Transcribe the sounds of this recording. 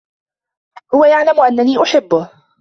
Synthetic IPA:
hʊwajaʕlamʔanːaniːʔʊħɪbːʊh

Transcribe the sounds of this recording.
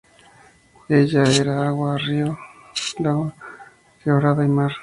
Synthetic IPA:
eʎaeɾaaɣwario | laɣa | rioɾaðaimaɾ

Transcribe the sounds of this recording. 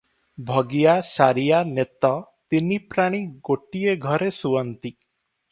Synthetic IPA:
bʱɔɡijasaɾijanet̪ɔt̪inipɾaɽ̃iɡoʈieɡʱɔɾesuɔnt̪i

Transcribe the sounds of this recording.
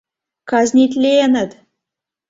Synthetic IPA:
kɑzʲnʲit̪ʲlʲeenət̪

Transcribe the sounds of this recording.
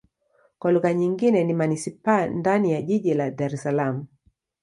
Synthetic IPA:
kwaluɣaɲiŋɡinɛnimanisipandanijaʄiʄiladaɾɛsalamu

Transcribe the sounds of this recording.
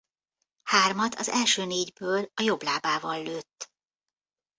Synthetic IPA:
haːrmɒt̪ʰɒ̰zɛ̰lʃøːneːɟbøːlɒjo̞blaːbaːvɒlːøːt̪ː

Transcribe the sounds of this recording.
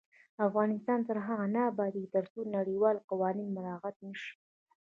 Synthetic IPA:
afɣɑnɪst̪ɑnt̪əɾɦaɣanaːbɑd̪it̪əɾsunaɽiwɑlqawɑninmʊlɑqat̪̚nəʃi̥

